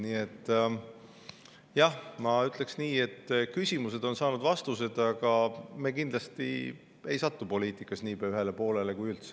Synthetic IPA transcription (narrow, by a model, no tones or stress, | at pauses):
niːet̪ːˑ | jɑhmɑyt̪ːˑle̞ksniːe̞t̪ːkysʲimuse̞d̪o̞nsɑːnud̪vɑst̪us̬e̞d̪ɑɡ̥ɑme̞ːkind̪lɑst̪ḭ | e̞jsɑt̪ːupo̞liːt̪ˑikːˑɑsniːpeɑyɦe̞le̞po̞ːle̞le̞kujylt̪se̥